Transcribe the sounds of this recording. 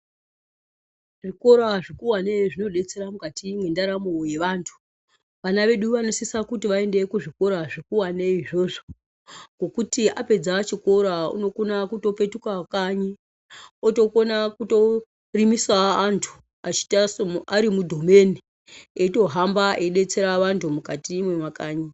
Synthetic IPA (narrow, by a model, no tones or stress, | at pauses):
ʐiko̞ɾaʐikuwaneʐino̞ɗe̞t͡seɾamukatimwendaɾamoje̞ʋaːntʰu̥ | ʋanaʋe̞ɗuʋanosisakutiʋae̞nde̞kuʐiko̞ɾaʐikuwaneiʐo̞ʐo | ɡo̞kutiʔape̞d͡zat͡ʃiko̞ɾaṵno̞konakuto̞pe̞tukakaɲi | oto̞ko̞nakuto̞ | rimisaːntʰu̥ | at͡ʃi̥tasaɾimudʱome̞ni | eto̞ɦambaʔeɗe̞t͡se̞ɾaʋantʰumukatimwemwakaːɲi